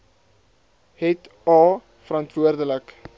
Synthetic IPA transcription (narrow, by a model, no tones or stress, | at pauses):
hɛt | ɑː | fəɾɐntvuərdələk